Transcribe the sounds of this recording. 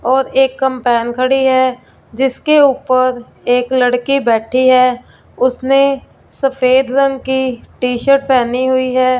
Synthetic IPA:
ɔːɾeːkːə̃mpɛːnkʰəɽiɦɛː | d͡ʒɪskeuːpəɾ | eːkləɽkibɛːʈʰiɦɛː | ʊsne | səfʰeːd̪ɾə̃ŋɡkiʈiːʃəɾʈ̚pɛːniɦʊiɦɛː

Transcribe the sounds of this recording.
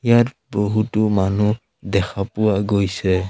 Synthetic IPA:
ijaɹ | bɔɦutumanu | dɛkʰapʊwaɡojsɛ

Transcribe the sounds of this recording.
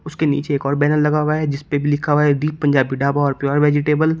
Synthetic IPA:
ʊskenḭːt͡ʃeːkɔːɾbɛːnəlːɐɡaːwaɦɛd͡ʒɪspebʱilɪkʰaʋaɦɛd̪iːp̚pːə̃nd͡ʒaːbiɖaːbaɔːɾpjɔːɾʋeːd͡ʒɪʈeːbəl

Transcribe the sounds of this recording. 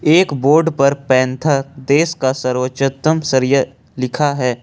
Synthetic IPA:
eːkboːɾɖpɐɾpɛ̃ːnt̪ʰad̪eːskasɐɾwəʃət̪əmsəɾjə | lɪkʰaɦɛː

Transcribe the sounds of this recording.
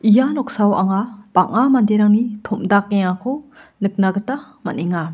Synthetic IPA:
ijanɔk̚sawa̰ŋapaŋamandeɾaŋnitʰomdak̚ːeŋakʰo | nɯk̚naɡɯta | ma̰neŋa

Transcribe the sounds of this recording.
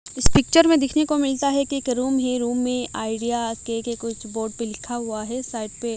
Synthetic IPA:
ɪspɪk̚t͡ʃəɾmẽd̪ɪkʰnekomɪlt̪aɦɛkeːkɾuːmɦẽɾuːmːẽʔaːɪɖijakekekʊt͡ʃʰboːɾɖpelɪkʰaɦʊaɦɛsaːɪʈ̚pe

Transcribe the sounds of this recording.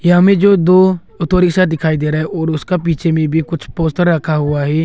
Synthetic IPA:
jɐɦãmẽd͡ʒoːd̪oː | ʊt̪oːɾɪksat̪̚d̪ɪkʰaːid̪eːɾaɦɛʔɔːɾʊskap̬iːt͡ʃʰemẽbʱikʊt͡ʃʰpoːsʈəɾːɐkʰaɦʊaɦɛː

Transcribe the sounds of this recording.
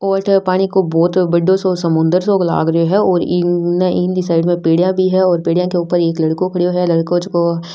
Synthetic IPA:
ɔːʈpaːɽ̃ikobɔːt̪bɐɖosoːsɐmʊ̃nd̪əɾsoːɡla̰ːɡɾɐoɦɛɔːɾinaʔiːnd̪isaːɪɖmẽpeːɽijãbʱiɦɛɔːɾpeːɽijãkeuːpəɾeːklɐɽkõkʰɐɽijoɦɛlɐɽkõd͡ʒko

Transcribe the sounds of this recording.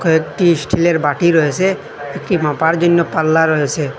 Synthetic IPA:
kʰoekʈisʈʰileɾbaʈiɾɔɦet͡ʃʰe | ekʈimãpaɾd͡ʒonːopalːaɾɔɦet͡ʃʰe

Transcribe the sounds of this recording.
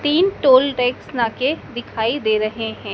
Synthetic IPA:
t̪iːnʈoːlʈɛːksnaːked̪ɪkʰaːid̪eːɾɐɦeɦɛ̃ː

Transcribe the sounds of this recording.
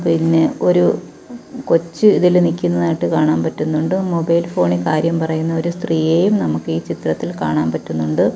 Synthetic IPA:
pinːeo̞ɾu | ko̞t͡ɕːɨiðilnikʲːunːɐðaːjiʈːɨkaːɳaːnpɐtːunːuɳɖɨmobɐjlfo̞ːɳikaːɾjɐmpɐrɐjunːɐo̞ɾust̪riːje̞ːjumnɐmukːiːt͡ɕit̪rɐt̪ːilka̰ːɳaːmpɐtːunːuɳɖɨ

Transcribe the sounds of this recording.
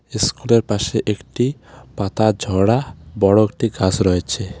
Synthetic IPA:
eskuleɾpaʃeʔekʈipat̪ad͡ʑʱɔɽabɔɽoek̚ʈiɡasɾɔet͡ɕʰe

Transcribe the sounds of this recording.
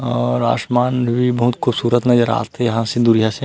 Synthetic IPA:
ɔːɾa̰ːʃmaːnbʱibɐɦʊt̪kʰʊbsuːɾət̪nɐzəɾa̰ːt̪ejɐɦãsed̪ʊɾijase

